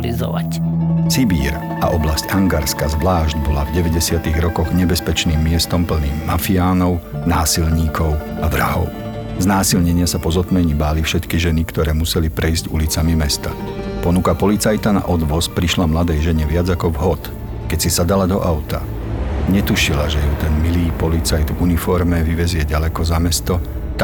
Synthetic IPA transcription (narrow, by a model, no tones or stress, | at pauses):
lḭzɔ̰a̰sibiːɾ | a̰ʔɔblascaŋɡaɾskazʋlaːʒɟbɔlavɟɛʋɛɟɛsɪat̪iɣɾɔkɔɣɲɛbɛspɛt͡ʃniːmːɪɛst̪ɔmpl̩niːmːafiaːnɔʊ | naːsilɲiːkʰɔʊaʋɾa̰ɦɔ̰ʊ | znaːsilɲɛɲɪasapɔzɔt̪mɛɲibaːlifʃɛt̪kiʒɛnikt̪ɔɾɛːmusɛlipɾʔɛjzɟṵlit͡samimɛst̪a | pɔnukapɔlit͡sajt̪ana̰ʔɔd̪ʋɔspɾiʃlamlad̪ɛjʒɛɲɛʋɪad͡zakɔvɦɔt̪ | kɛcsisad̪alad̪ɔʔaʊt̪a̰ | ɲɛt̪uʃilaʒɛjut̪ɛnmiliːpɔlit͡sajt̪unifɔɾmɛʋiʋɛzɪɛɟalɛkɔzamɛst̪ɔ